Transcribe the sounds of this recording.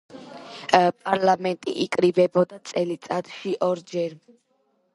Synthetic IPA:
pʼaɾlamɛnt̪ʼḭʔikʼɾibɛbɔd̪at̪sʼɛlit̪sʼat̪ʃiʔɔɾd͡ʒɛɾ

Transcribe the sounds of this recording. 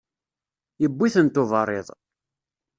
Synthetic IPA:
jəbːiθənt̪ːʊvərˤːeðˤ

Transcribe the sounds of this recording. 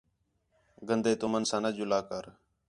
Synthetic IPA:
ɡənd̪eːt̪ʊmənsãːnəd͡ʒʊlaːkəɾ

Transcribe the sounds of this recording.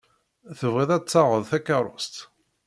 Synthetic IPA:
θəvæðæt͡sːɑʁəðˤθækːɑrˤo̰st̪

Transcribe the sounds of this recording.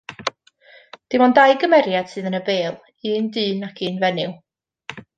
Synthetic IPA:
d̥ɪmɔndajɡəmɛɾjad̥sɨːðənəbeːlˠ | iːndɨːnakʰiːnvɛnɪw

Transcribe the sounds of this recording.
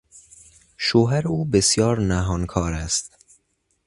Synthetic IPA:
ʃoːɦæɾeuːbesjɒːɾnæɦɒːnkʰɒːɾæst̪̚

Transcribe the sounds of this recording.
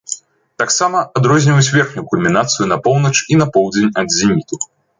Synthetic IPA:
t̪aksamɐad̪ɾɔzʲnʲiwut͡sʲvʲɛrxnʲukulʲmʲinat̪sɨjunɐpɔwnɐt͡ʂinɐpɔwd͡zʲenʲɐd̪zʲimʲit̪u

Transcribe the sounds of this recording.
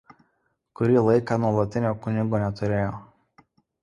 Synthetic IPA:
kʊɾʲiːlˠɐɪkɑːˑnuɔlˠɐt̪ʲɪnʲoːkʊnʲɪɡoːnʲɛt̪ʊɾʲeːjoː

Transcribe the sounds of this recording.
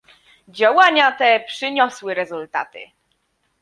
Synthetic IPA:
d͡ʑawaɲat̪ɛpʂɘɲɔswɘɾɛzult̪a̰t̪ɘ̰

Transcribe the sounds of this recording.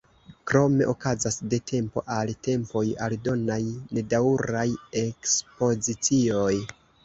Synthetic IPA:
kɾo̞me̞̰ʔokazasde̞tʰe̞mpo̞̰ʔalte̞mpo̞jaldo̞najne̞dauɾaje̞kspo̞zit͡sio̞j

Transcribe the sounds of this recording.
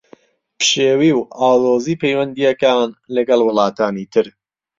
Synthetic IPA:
pʃeːwiːwʔaːloːziːpejwɐnd̪ijɐkaːnlɐɡɐlwɨlˠɑːt̪ʰaːniːt̪ʰɨɾ

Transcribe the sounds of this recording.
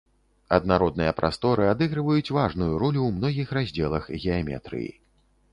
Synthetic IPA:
ɐd̪naɾɔd̪̚nɨjɐpɾʔa̰st̪ɔɾɨad̪ɨɣɾɨvɐjut͡sʲvaʐnujuɾulʲuwmnɔɣʲixrazʲd͡zʲɛlˠɐxɣʲɛamʲɛ̰t̪ɾɨ̰jḭ

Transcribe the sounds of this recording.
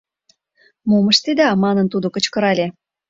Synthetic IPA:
momə̆ʃt̪id̪ɑmɑnə̆nt̪ud̪okə̆t͡ɕkɤ̆ɾɑlʲe

